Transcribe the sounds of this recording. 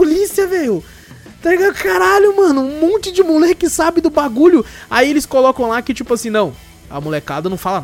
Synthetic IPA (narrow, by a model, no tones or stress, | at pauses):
polisiɐvejʊ | t̪aʒeɡɐ̃d̪ʊkaɾaʎʊmɐ̃nʊ̃mõnt͡ʃɪd͡ʒɪmulɛkɪsabɪ̃d̪ʊbaɡuʎʊaielɪskolɔkɐ̃w̃lakɪt͡ʃipʊasĩnɐ̃w̃ | ɐ̰molekad̪ɐnɐ̃w̃falɐn